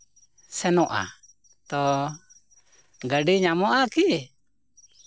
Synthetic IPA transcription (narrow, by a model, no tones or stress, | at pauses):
sɛnɔʔa̰ | t̪ɔ | ɡəɖiɲamɔʔaki